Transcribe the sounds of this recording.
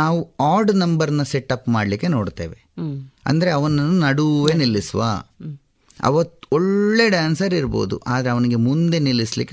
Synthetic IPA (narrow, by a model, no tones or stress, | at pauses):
naːʋuaːɾɖnɐmbɐɾɐnːɐseʈːɐpːmaːɖlikːe̞no̞ːɖt̪ḛːʋeɐ̰nd̪ɐɾeɐʋɐnːɐnːunɐɽuʋenilːisʋa̰ː | ɐ̰ʋɐt̪ːɔɭːe̞ɖaːnsɐɾiɾbo̞̰ːd̪ṵʔaːd̪ɐɾe̞ɐʋɐniɡe̞mund̪e̞nilːislḭkːe